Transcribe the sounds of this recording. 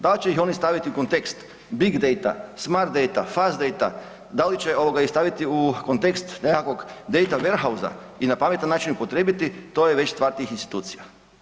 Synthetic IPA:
d̪alit͡ɕeixo̞nist̪aʋit̪iuko̞nt̪e̞kst̪ | biɡd̪ejt̪a̰smaɾt̪̚d̪ejt̪afazd̪ejt̪a̰ | d̪alit͡ɕeo̞ʋoɡaist̪aʋit̪iukont̪ekst̪nekako̞ɡd̪e̞jt̪aʋeɾɦauza̰ | inapame̞t̪anːaːt͡ʃinupo̞t̪ɾeːbit̪it̪o̞jeʋe̞t͡ɕst̪ʋaɾt̪iixinst̪i̥t̪uːt̪sija

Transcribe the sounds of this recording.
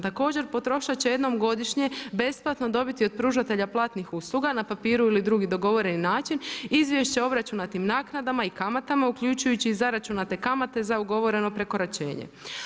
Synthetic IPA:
t̪ako̞ːd͡ʑe̞ɾpo̞t̪ɾo̞ʃat͡ɕejed̪no̞mɡo̞d̪iʃɲe̞be̞splˠat̪no̞d̪o̞bit̪iopɾuːʒat̪e̞ʎaplˠaːt̪nixuslˠuɡanapapiːɾuilid̪ɾuɡid̪o̞ɡo̞ʋo̞ɾe̞ninaːt͡ʃinizʋje̞ʃt͡ɕeo̞bɾat͡ʃunat̪imnaːknad̪amaikamat̪amaukʎut͡ʃujut͡ɕiːzaɾat͡ʃunat̪e̞kamat̪e̞zauɡo̞ʋo̞ɾe̞no̞pɾe̞koɾat͡ʃe̞̰ːɲḛ

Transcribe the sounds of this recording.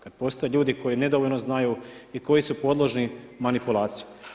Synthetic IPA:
kad̪̚po̞st̪ojeʎuːd̪iko̞jine̞d̪oʋoʎnoznajuiko̞jisupo̞d̪lˠoʒnimanipulˠaːt̪sije

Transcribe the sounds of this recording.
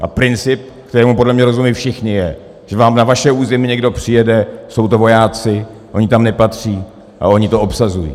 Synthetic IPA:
ʔa̰pɾɪnt͡sɪp̚kt̪ɛɾɛːmupo̞dlɛmɲɛɾo̞zumiːfʃɪxɲɪjɛ | ʒ̥ɛvaːmnavaʃɛuːzɛmɪɲɛɡdo̞pr̥ɪjɛdɛso̞wt̪o̞vo̞jaːt͡sɪ | ʔo̞ɲɪt̪amnɛpat̪r̝̥iː | ʔa̰o̞ɲɪt̪o̞opsazujḭ

